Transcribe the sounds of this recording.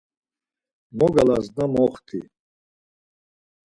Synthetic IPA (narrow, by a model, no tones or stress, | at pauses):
mɔɡalaznamɔχt̪ʰḭ